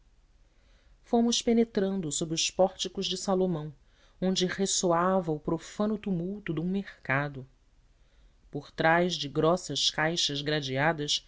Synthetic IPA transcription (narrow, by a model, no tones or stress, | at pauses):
fõmʊʃpenet̪ɾɐ̃nd̪ʊsobɾɪʊspɔɾt͡ʃikʊʒd͡ʒɪsalomɐ̃w̃ | õnd͡ʒɪhesoavɐʊpɾofɐ̃nʊt̪umuwt̪ʊd̪ũmeχkad̪ʊ | poɾt̪ɾajzd͡ʒɪɡɾɔsɐʃkajʃɐzɡɾad͡ʒiad̪ɐs